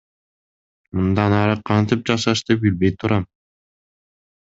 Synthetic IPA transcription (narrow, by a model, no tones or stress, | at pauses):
mund̪ɑnɑɾɯqʰɑnt̪ip̚d͡ʒɑʃɑʃd̪ep̚bilbe̞jt̪ʰuɾɑm